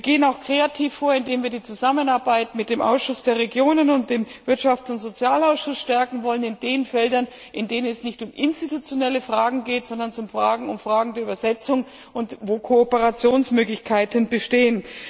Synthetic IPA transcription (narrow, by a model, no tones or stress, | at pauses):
viːɐɡeːənaʊxkʁ̥eatʰiːfːoːɐɪndeːmviːɐdiːt͡suzamənaɐbaɪtmɪt̚d̥eːmʔa̰ʊsʃʊsd̥eːɐʁeɡjoːnənʊnt̚d̥eːmvɪɐtʃaft͡sʊntz̥ot͡sjaːlaʊsʃʊsʃtɛɐkŋ̩vɔlənɪndeːnfɛldɐn | ʔɪndeːnənɛsnɪçtʊmʔɪnstitut͡sjonɛləfʁ̥aːɡŋ̩ɡeːtz̥ɔndɐnt͡sʊmfʁ̥aːɡŋ̩ʊnfʁ̥aːɡŋ̩deːɐybɐzɛt͡sʊŋ | ʊntvoːkʰoopəʁat͡sjoːnsmøːɡlɪçkʰaɪtənbəʃteːən